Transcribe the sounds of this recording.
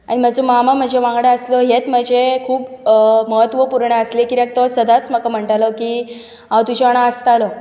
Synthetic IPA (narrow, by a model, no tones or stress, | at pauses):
aɽ̃iməd͡zomamam̤əd͡ʑʱeʋãŋɡɽəəslɔɦet̪m̤əd͡ʑʱekʰuːpməɦət̪ʋəpuɾɳəəslekiɾek̚t̪ɔsəd̪at͡sməkam̤əɳʈalokiː | ɦawt̪ud͡ʑʰʱeaɽ̃ãəst̪alo